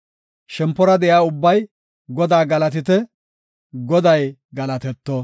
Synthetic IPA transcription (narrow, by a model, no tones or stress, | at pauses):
ʃɛmpːɔɾɐd̪ɛjaːʊbːɐj | ɡɔd̪aːɡɐlɐt̪ɪt̪̬ɛ | ɡɔd̪ɐjɡɐlɐt̪ɛt̪ːɔ